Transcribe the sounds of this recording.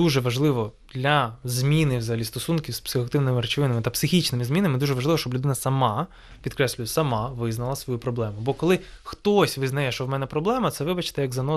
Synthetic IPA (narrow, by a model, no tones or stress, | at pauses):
d̪uʒɛʋɐʒlˠɪʋɔd̪̥lʲɐzmʲinɪʋzɐɦɐlʲist̪ɔsunkʲiwspsɪxɔɐk̚t̪ɪwnɪmɪɾet͡ʃɪʋɪnɪmɪt̪ɐpsɪxʲit͡ʃnɪmɪzmʲinɐmɪd̪uʒɛʋɐʒlˠɪʋɔʃt͡ʃɔblʲʊd̪ɪnɐsɐmɑ | pʲid̪̚kɾɛslʲʊjɛsɐmɑʋɪznɐlˠɐsʋɔjupɾɔblˠɛmʊbɔkɔlˠɪxt̪ɔsʲʋɪznɐjɛʃt͡ʃɔwmɛnɛpɾɔblˠɛmɐt̪sɛʋɪbɐt͡ʃɪ̥t̪ɛjɐɡzɐnɔ